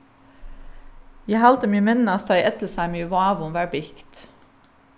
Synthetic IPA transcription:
jæhɑlt̪əmyːəmɛnnɑst̪ɑʔɛt̪l̩sæɪmyːʋɑːʋʊmʋæːɹbɪɪkt̪

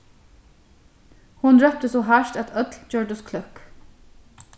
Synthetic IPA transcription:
hʊnɹœp̚t̪əsɔɦaʃt̪æt̪œt̪lt͡ʃœɹd̪ʊskʰlʏhk

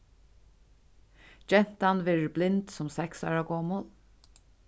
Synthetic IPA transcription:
d͡ʒɛn̥t̪anʋɛːɹɪblɪnt̪sɔmsɛksɑ̰ːɹaɡɔːmʊl

